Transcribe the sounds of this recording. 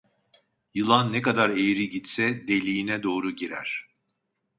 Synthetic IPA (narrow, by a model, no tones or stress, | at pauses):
jɯlˠanːekad̪aɾejɾiɟit̪sɛd̪e̞lʲijinɛd̪o̞ːɾuɟiɾæ̰ɾ̥